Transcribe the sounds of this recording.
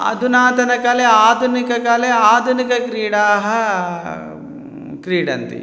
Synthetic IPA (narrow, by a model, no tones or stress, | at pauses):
ɐ̰d̪ʱunaːt̪ɐnɐkɐleaːd̪ʱunikɐkɐleaːd̪ʱunikɐkɾiːɽaːɦɐ | kɾiːɽɐ̰nt̪ḭ